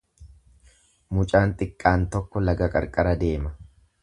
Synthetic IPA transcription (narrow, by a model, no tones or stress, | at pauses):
mʊt͡ʃʼaːnt̪ʼɪkʼːaːnt̪ɔkːɔlɐɡɐkʼɐ̰ɾkʼɐɾɐd̪e̞ːmɐ